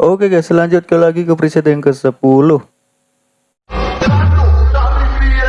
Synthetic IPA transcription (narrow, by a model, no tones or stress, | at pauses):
ʔokekɛsəlaɲd͡ʒʊt̪̚kəlaɡikəpɾised̪ajəŋkəsəpulʊh